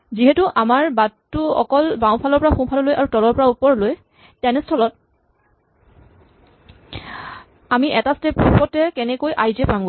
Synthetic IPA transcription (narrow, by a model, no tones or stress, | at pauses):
ziɦetuʔamaɹbatːuɔ̰kɔlbaw̃pʰalɔɹpɔɹaxũpʰalɔlojʔaɹutɔlɔɹpɔɹaupɔɹloj | tɛnɛstʰɔlɔt̚ | amiʔɛtastepupɔtɛkɛnɛkojʔajzɛpamɡo